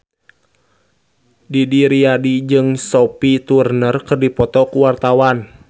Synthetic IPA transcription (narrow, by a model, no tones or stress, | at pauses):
didiɾiadid͡ʒɨŋsɔpit̪urnərkɨrdipɔt̪ɔkuwart̪awan